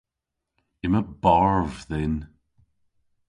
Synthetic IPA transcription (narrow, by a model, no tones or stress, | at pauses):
ɪməbaɹvðɛn